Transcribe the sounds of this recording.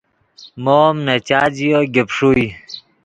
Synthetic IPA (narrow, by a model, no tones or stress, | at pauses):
moːmnɐt͡ɕaːd͡ʑijoɡepʂui